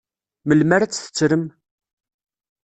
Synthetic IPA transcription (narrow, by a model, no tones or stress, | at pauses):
məlmæɾæt͡sːθə̥t͡sːɾəm